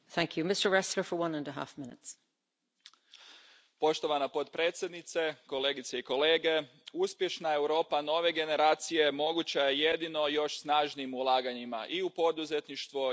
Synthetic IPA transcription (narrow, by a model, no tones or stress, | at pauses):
θæ̃ŋkʰjumɪstə˞ɹɛsləfə˞wʌ̃nə̃ndəɦa̰fmɪ̃nɪ̰ts | po̞ʃt̪o̞ʋanapo̞t̪pɾeːt̪sjed̪nit̪se̞ko̞le̞ːɡit̪seiko̞le̞ːɡe̞ | uspje̞ʃnae̞wɾo̞ːpano̞ʋe̞ɡe̞ne̞ɾaːt̪sije̞mo̞ɡut͡ɕajeje̞d̪ino̞jo̞ʃsnaːʒniːmulˠaːɡaɲima̰ʔiupo̞d̪uze̞t̪niʃt̪ʋu